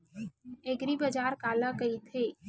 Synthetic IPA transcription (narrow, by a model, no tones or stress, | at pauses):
eɡɾibɐd͡ʒaːɾkaːlakɐit̪ʰeː